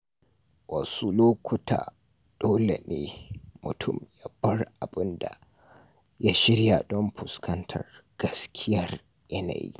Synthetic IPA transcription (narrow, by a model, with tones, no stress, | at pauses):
wɐ˨su˦loː˦kʷʊ˦tʰa̰ː˨ | d̥oː˦le˨neː˦mʊ˨tʰʊ˦˨mja˦bɐ˦rʔa˨bɪ˦nda˨ | ja˦ʃɪ˦ɾja˨dɔ˦mɸʊ˨skʰɐ˦ntʰɐ̰˨rɡ̥ɐ˦skʲʰɪ˦jɐ˨r | jɐ˦na̰˨jḭ˦